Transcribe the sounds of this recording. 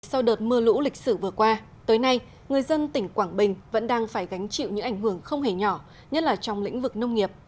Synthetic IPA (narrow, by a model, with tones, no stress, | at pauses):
sa˧wɗəː˨˩t̚mɨ˧əlṵ˧˥lï˨˩k̟̚sɨ˧˩vɨ˨˩əkwaː˧ | t̪əː˨˦jna˧j | ŋɨ˨˩əjzə˧nt̪ï˧˩ŋ̟kwaː˧˩ŋɓï˨˩ŋ̟və̰˧˥nɗaː˧ŋfaː˧˩jɣa˨˦jŋ̟t͡ɕḭ˧˨wɲɨ̰˧˥ʔa˧˩jŋhɦɨ˧˩əŋxə˧wŋ͡mɦe˧˩ɲɔ˧˩ | ɲə˦˥t̚laː˨˩t͡ɕɔ˧wŋ͡mlḭ̈˧˥ŋ̟vɨ˨˩k̚nə˧wŋ͡mŋi˨˩əp̚